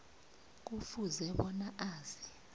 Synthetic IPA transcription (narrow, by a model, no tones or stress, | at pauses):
k̬ufuzɛɓɔnaʔaːzi